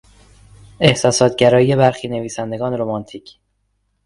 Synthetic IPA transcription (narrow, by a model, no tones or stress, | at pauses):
e̞hsɒːsɒːt̪ʰɟæɾɒːije̞bæɾxiːne̞viːsænd̪e̞ɡɒːneɾomɒnt̪ʰiːcʰ